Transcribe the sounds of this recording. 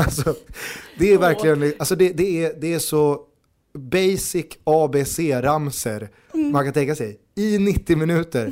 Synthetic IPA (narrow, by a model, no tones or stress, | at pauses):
alsɔd̪ɛæɾvæɾklɪɡənalsɔd̪ɛd̪ɛæd̪ɛæʂɔ | bɛjsɪkʰːɑːbeːseːɾamsə̰ɾ | mankʰant̪ɛŋkːasɛj | ɪnɪt̪ːɪmɪnʉ̟ːt̪əɾ